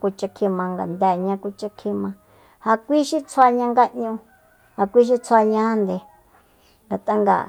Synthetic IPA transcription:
ku˧t͡ʃa˧kʰĩ˧mã˧ŋɡa̰˨nd̪a˧˨ɲã˧˦ku˧t͡ʃa˧kʰĩ˧mã˧ | ha˧kʷi˦ʃi˦t͡sʰa˧ɲã˧ŋɡa˦ɲũ˧ | ha˧kʷi˦ʃ̬i˦t͡sʰa˧ɲã˦nd̪e˨ | ŋɡa˨t̪a˦ŋɡa̰˨

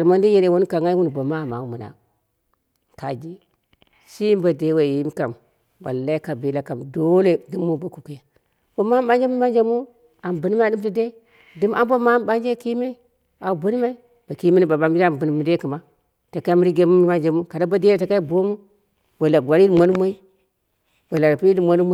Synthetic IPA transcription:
a˨lma˦ndi˦je˦le˦wo˦n˦ka˨ŋa˦wu˦n˨bo˨ma˦˨ma̰˨u˦mu˨na̰˨ | ka˨d͡ʒi˦ | si˦mba˨de˨˦we˨ji˦m˦ka˨m | ba̰˨lla˦i˦ka˨bi˨la˦ka˨mdo˦le˨di˦mːu˦bo˨ku˨ku˨ja˨ | bo˨ma˦m˦ɓa˦nd͡ʒe˦mi˦ma˦nd͡ʒe˦mu˦ | a˨mbu˨ni˦ma˦di˦m˦ti˦de˦ | di˦ma˦mbo˦ma˦ba˦nd͡ʒe˦ki˦me˦ | a˨bu˦ni˦ma˦i˦ | b̥a˨ki˦me˦ni˦ba˨ba˨m˦a˦˨m˨bu˨n˨mu˨de˦ki˨ma˦ | ta˨ka˦mu˦ɾi˦ɡe˦mu˦mi˦ma˦nd͡ʒa˨mu˦ka˨da˦ba˦de˦e˦ta˨ka˦i˦bo˦mu˦ | bo˨la˨ɡʷa˨ɾi˦di˦˨mo˦n˦mo˦i˦ | b̥o˨la˨ɾpi˦i˦di˨mʷo˦n˦m˦

